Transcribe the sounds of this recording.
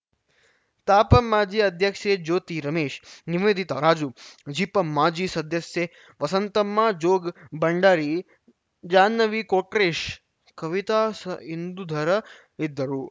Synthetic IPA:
t̪aːpəmːaːd͡ʒiɐd̪ʱjəkʃed͡ʒoːt̪iɾɐmeːʃniʋeːd̪ʱit̪aɾaːd͡ʒud͡ʒipəmːaːd͡ʒisɐd̪ʱjɐsje | ʋɐsənt̪əmːãd͡ʒoːɡbəɳɖaːɾi | d͡ʒaːnːəʋikoːʈɾeʃ | kɐʋit̪asəɦind̪ud̪ʱɐɾə | id̪ʱəɾuː

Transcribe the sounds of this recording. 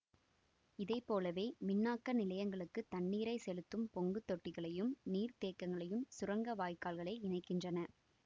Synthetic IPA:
ɪðɐɪpːoːlɐʋeːmɪnːaːkːɐnɪlɐjɐŋɡɐɭɯkːɯt̪ɐnːiːɾɐɪsɛlɯt̪ːɯmpɔŋɡɯt̪ːɔʈːɪɣɐɭɐjɯmniːɾt̪eːkːɐŋɡɐɭɐjɯmsʊrɐŋɡɐʋaːjkːaːlɣɐɭɐɪɪɳɐɪkːɪndrɐnɐ

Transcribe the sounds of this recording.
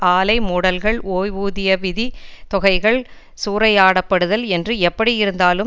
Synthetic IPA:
ʔaːlɐɪmʊɽɐlɣɐɭoːjʋuːðɪjɐʋɪðit̪ɔɣɐɪɣɐɭ | suːɾɐɪaːɽɐpːɐɽɯðɐlɛndrɯɛpːɐɽijɪɾɯnd̪aːlɯ

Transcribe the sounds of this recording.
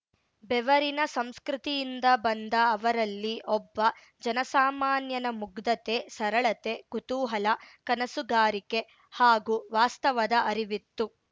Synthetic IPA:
bɛʋɐɾinɐsɐmskɾit̪ijind̪ɐbɐnd̪ɐːʋɐɾɐlːiʔɔbːɐ | d͡ʒɐnɐsaːmaːnjɐnɐmuɡd̪ɐt̪esɐɾɐɭɐt̪e̞kut̪uːɦɐlɐkɐnɐsuɡaːɾike̞ | haːɡuːʋaːst̪ɐʋɐd̪ɐʔɐɾiʋit̪ːu

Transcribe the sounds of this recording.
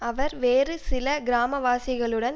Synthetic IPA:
ɐʋɐɾʋeːrɯsɪlɐɡɪɾaːmɐʋaːsɪɣɐɭɯɽɐn

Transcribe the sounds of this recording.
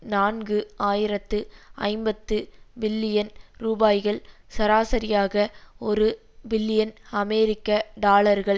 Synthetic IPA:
naːnɡɯaːjɪɾɐt̪ːɯɐ̰ɪmbɐt̪ːɯbɪlːɪjɐnɾuːbaːjɣɐɭsɐɾaːsɐɾɪjaːɣɐɔɾɯ | bɪlːɪjɐnɐmeːɾɪkːɐɖaːlɐɾɣɐɭ

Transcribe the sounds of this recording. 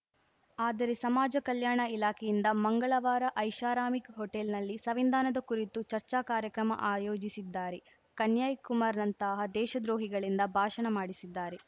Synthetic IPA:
aːd̪ɐɾesɐmaːd͡ʒɐkɐljaːɳɐilaːkʰɛjind̪ɐmɐŋɡɐɭɐʋaːɾɐʔɐjʃaːɾaːmikɦoʈelnɐlːisɐʋind̪aːnɐd̪ɐkuɾit̪ut͡ʃɐɾt͡ʃaːkaːɾjɐkɾɐmɐ̰ʔaːjoːd͡ʒisid̪ːaːɾe | kɐnjaːjkumaːɾnɐnt̪ɐːɦɐd̪ɛːʃɐd̪ɾoːɦiɡɐɭind̪ɐbʱaːʃɐɳɐmaːɽisid̪ːaːɾe

